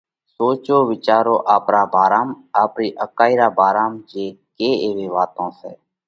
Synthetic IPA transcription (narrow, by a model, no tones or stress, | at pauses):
soːt͡ʃoːʋɪt͡ʃaːɾoːʔaːpɾaːbʱaːɾaːm | aːpɾiːʔəkaːiːɾaːbʱaːɾaːmd͡ʒeːkeːeːʋeːʋaːt̪õːsɛː